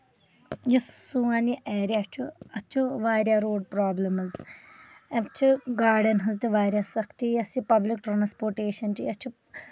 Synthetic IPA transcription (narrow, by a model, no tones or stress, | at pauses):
jissuaːniʔeːɾiat͡ʃʰuɐt͡ʃʰuʋaːɾʲjaɾoːɖpɾaːblɐmɐz | ɐt͡ʃʰuɡaːɖɐnɦɐzt̪iʋaːɾʲjasɐkʰt̪ijɐsipɐblikʈɾaːnspoːɾʈeːʃɐnt͡ʃiɐt͡ʃʰu